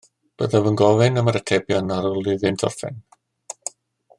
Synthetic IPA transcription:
b̥əðɛvənɡɔvɪnəməɾətʰɛbjɔnaɾɔlˠɨðɨndʰɔ̰rfɪ̰n

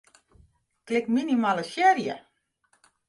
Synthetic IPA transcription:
klɪkminimaləsjɛrjə

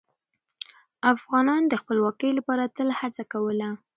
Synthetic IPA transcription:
afɣɑnɑnd̪əxpəlwɑkəjlapɑɾat̪əlhat͡sakawəla

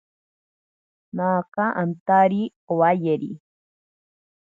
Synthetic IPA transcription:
naːkaʔant̪aɾi | owajeɾḭ

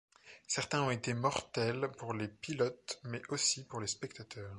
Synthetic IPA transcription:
sɛʁt̪ɛ̃ɔ̃et̪emɔʁt̪ɛlpuʁlepilɔt̪mɛʔosipuʁlespɛk̚t̪at̪ʰœːʁ

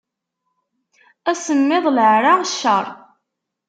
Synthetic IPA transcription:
æsəmːɪðˤləʕɾaʃːəɾˤ

